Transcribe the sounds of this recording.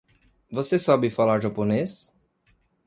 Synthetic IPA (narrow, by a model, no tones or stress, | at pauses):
vosesɔbɪfalaɾʒapones